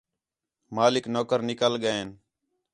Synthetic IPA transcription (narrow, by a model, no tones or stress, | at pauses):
maːlɪknoːkəɾnɪkəlɠəeːn